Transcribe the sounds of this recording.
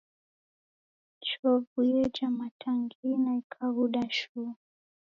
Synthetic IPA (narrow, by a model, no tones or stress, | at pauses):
t͡ʃɔvujɛd͡ʒamatʰaŋɡinaikʰaɣuɗaʃu